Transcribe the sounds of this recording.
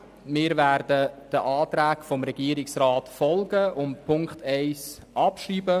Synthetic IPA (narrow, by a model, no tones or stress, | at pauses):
mɪːɾvæːɾdəd̥əʔɑːt̪ɾæːkfɔmɾɛɡ̥iːəɾɪksɾaːtfɔlɡəʊmpʰʊŋkχtʰɛɪs | ʔɑpʃriːbə